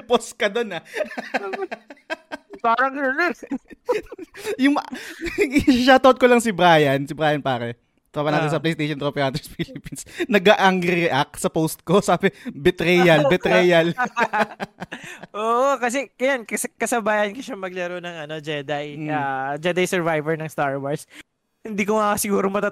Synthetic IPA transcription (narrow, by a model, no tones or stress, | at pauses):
poskɐd̪onɐ | paːɾɐŋnɐnɛ | jʊŋm | ʃat̪ot̪̚kolɐŋsɪbɾaːjɐnsɪbɾaːjɐnpaːɾɛ | t̪ɾabɐnaːt̪ɪnsɐplejst̪ejʃonɾopɛɾaːt̪ɛɹsfilɪpinsnɐɡaʔɐŋɾɪɛʔak̚sɐpowst̪̚kosaːbɛbɛt̪ɾɛjɐlbɛt̪ɾɛjɐl | ʔoːʔokɐs̬ɛkɐjankskɐsɐbaːhɐnkoʃamɐɡ̚lɛɾonɐŋɐno̞d͡ʒɛd̪ajad͡ʒɛd̪ɐjsɛɹvajvɛɹnɐŋst̪aɹwɐɹs | hɪnd̪iːkoŋasɪɡuːɾomɐt̪a